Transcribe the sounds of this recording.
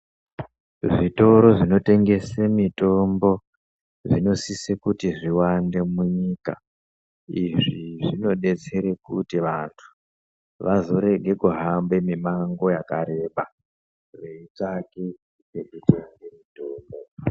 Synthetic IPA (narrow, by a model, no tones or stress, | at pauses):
ʐito̞ɾo̞ʐino̞te̞ŋɡe̞semito̞mbo̞ | ʐino̞sisekutiʐiwande̞muɲiːka̰ | iʐiʐino̞ɗe̞t͡se̞ɾekutiʋantʰu̥ | ʋʔazo̞ɾe̞ɡʱe̞kuɦambe̞mimaŋɡo̞jakaɾe̞ɓa | reitake | seɗuteɡemitoːmboo